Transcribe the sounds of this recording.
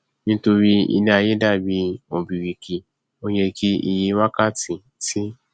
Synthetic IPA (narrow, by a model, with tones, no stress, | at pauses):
nĩ˦to˧ɾi˧ḭ˧nĩ˦a˧je˦da˦˨bi˨˧˦o˨bi˨ɾi˨ki˨ | o˧je˧kʰi˦ḭ˧˨ji˧˦wa˦ka˦˨tĩ˨ | ti˦